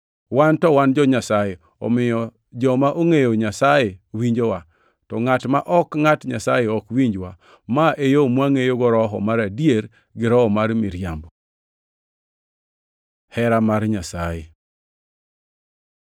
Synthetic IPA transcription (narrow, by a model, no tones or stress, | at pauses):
wantɔwand͡ʒɔɲasaje | ɔ̰mɪjɔ | d͡ʒɔmaʔoŋejoɲasajewiɲd͡ʒowa | tɔŋatmaʔɔkŋatɲasajeɔkwiɲd͡ʒwa | maʔejomwaŋejoɡɔɾɔɦɔ̰maɾadjeɾ | ɡɪɾɔɔmaɾmɪɾjambɔ | hɛɾamaɾɲasaje